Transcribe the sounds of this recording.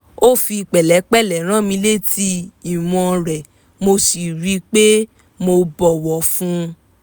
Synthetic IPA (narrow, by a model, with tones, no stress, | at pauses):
o˦fi˧k͡pɛ˨lɛ˨˦k͡pɛ˦˨lɛ˨ɾ̃ã˦˨mĩ˧˦le˦ti˦i˦˨w̃ɔ̃˧ɾɛ˨ | mo˧si˨ɾi˨˦k͡pe˦ | mo˧bɔ˨wɔ˨fũ˦˧